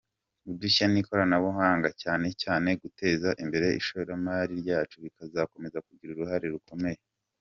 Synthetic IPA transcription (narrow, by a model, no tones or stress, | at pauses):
uduçaniko̞ɾanaβoɦaːŋɡacaːne̞caːne̞ɡute̞ːzaʔimbe̞ɾeḭʃoβoɾamaːɾiɾɟaːt͡ʃuɾikazako̞me̞zakuɟiɾuɾuɦaɾeɾuko̞me̞je